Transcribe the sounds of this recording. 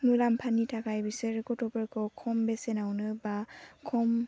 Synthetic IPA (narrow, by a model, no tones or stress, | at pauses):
nulampʰanitʰakajbisɯɾkɔtʰɔpɯɹkʰɔkʰɔmbesenawnɯbakʰɔm